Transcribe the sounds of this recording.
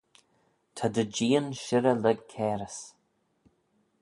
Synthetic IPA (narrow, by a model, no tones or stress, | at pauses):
t̪ʰad̪əd͡ʒiːənʃɪɾəlɛɡ̚kʰɛːɾəs